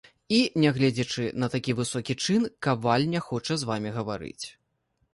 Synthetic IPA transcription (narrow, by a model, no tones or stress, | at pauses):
inʲɛɣlʲɛd͡zʲɛt͡ʂɨnɐt̪akʲivɨsɔkʲit͡ʂɨnkavalʲnʲɛxɔt͡ʂɐzvamʲiɣɐvaɾɨ̰t͡sʲ